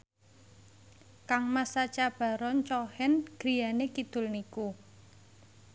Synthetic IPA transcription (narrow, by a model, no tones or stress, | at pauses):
kaŋmasat͡ʃab̥ä̤ɾɔɲt͡ʃɔhɛnɡ̥ɾijanekid̪̥ʊ̤lniku